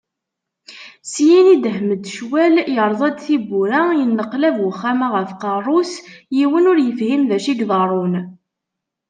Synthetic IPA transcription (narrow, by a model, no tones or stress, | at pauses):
sjinid̪əhməd̪ʃwæljəɾˤðˤɑd̪θibːuɾæjənːəqlævwəχːæmaʁəfqɑrˤːʊsjiwənʊɾjəfhimðæʃiɡðˤɑɾˤʊn